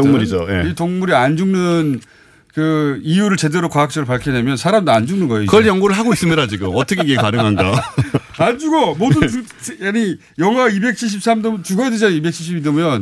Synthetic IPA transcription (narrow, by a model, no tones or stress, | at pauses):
toŋmuɾid͡ʑo̰jetoŋmuɾiand͡ʑuŋnɯn | kɯijuɾɯɭt͡ɕe̞de̞ɾokwaak̚t͡ɕ͈eɾɯɭpaɭkʰine̞mjʌnsʰaɾamdoand͡ʑuŋnɯnɡʌeikɯʌɭjʌŋɡoɾɯɭɦaɡois͈ɯmɲidat͡ɕiɡɯmʌt͈ʰʌkʰekekaɾɯŋɦanɡa | and͡ʑuɡomodu | ani | jʌŋɦwaibe̞k̚ɕʰiɕ̬ʰip̚s͈amdɯmt͡ɕuɡʌeded͡ʑaibek̚t͡ɕʰiɕʰibidʌmjʌn